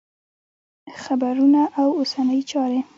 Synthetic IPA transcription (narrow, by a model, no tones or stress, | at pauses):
xabaɾunaʔawosanəjt͡ʃɑɾe